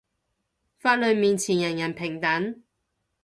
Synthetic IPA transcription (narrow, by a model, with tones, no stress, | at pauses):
faː˧t̚lɵ˨˧ɥmiː˨nt͡sʰiː˨˩njɐ˨˩njɐ˨˩npʰɪ˨˩ŋt̪ɐ˨˥n